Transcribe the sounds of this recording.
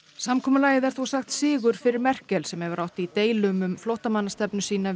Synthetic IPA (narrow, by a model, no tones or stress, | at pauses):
samkʰɔːmʏlaːjɪðɛɾθuwsaxt̪sɪːɣʏɾ̥fɪɾɪɾmɛr̥cɛlsɛmhɛvʏɾʔawht̪ɪit̪eːjlʏmʏmflowht̪amanːast̪ɛpnʏsiːna